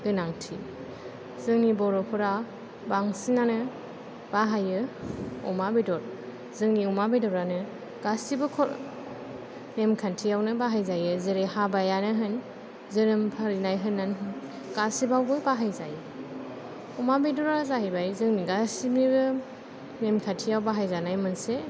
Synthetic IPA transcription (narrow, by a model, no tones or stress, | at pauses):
ɡɯnaŋtʰḭ | zɯŋnibɔɾɔpʰɯɾa | baŋsinanɯ | baɦajɯɔmabidɔɾ | zɯŋniɔmabedɔɾanɯ | ɡ̥asibɯkʰɔɾ | nemkʰantʰijawnɯbaɦajzajɯzɯɾehabajanɯɦɯn | zɯɾɯmpʰaɾinajɦɯnːanɦɯn | ɡ̥asibawbɯbaɦajzajɯ | ɔmabidɔɾazahɯjbajzɯŋniɡasimibɯ | nemkʰatʰijawbaɦajzanajmɯnse